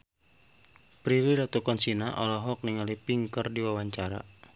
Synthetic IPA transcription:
pɾiɾilat̪ukɔnsinaʔɔlɔɦɔk̚niŋalipiŋkərdiwawaɲt͡ʃaɾa̰

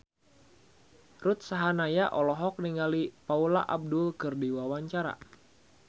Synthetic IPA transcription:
rʊt̪̚saɦanajaʔɔlɔɦɔk̚niŋɡalipaula̰ʔab̚dʊlkɨrdiwawaɲt͡ʃaɾa̰

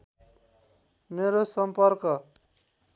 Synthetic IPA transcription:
meɾosʌmpʌrkʌ

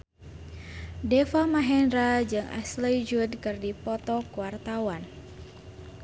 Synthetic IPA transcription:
dɛfamaɦɛnɾad͡ʒɨŋʔa̰sləjd͡ʒudkɨrdipɔt̪ɔkuwart̪awan

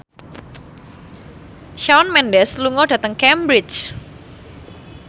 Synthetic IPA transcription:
ʃawnmɛndɛsluŋɔdä̤t̪əŋkɛmbɾɪt͡ʃ

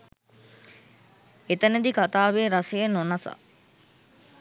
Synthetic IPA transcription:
et̪ɐned̪ikat̪aːʋeːɾɐsejenonɐsa̰

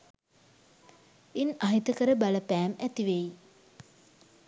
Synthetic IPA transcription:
inaɦit̪əkəɾəbaləpæːmɛt̪iʋej

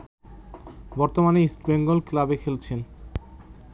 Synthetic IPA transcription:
bɔɾt̪omaneisʈbeŋɡolklabekʰelt͡ɕʰen

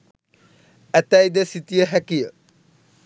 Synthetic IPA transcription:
ɛt̪ajd̪esit̪ijəɦɛkijə̰

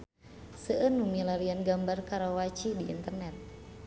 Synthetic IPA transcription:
səʔənːumilaɾianɡambarkaɾawat͡ʃidiʔint̪ərnɛt̪̚

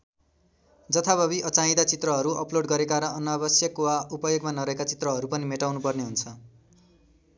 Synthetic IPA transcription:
d͡zʌt̪ʰabʌβiʌt͡saĩd̪at͡sit̪rʌɦʌɾuʌploɽɡʌɾekaɾʌːnːʌːbʌsjʌkwaupʌjoɡmanʌɾʌɦekat͡sit̪rʌɦʌɾupʌnimeʈawnupʌrneɦunt͡sʰʌ

